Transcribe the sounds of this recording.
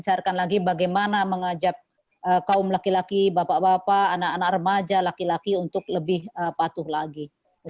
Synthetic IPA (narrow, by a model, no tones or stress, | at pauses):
t͡ʃarkanlaɡibaɡajmanaməŋad͡ʒap̚ | ʔəkaʊmlakilakibapabapaʔːnakanakrəmad͡ʒalakilakiunt̪ʊk̚ləbɪhəpat̪ʊhlaɡi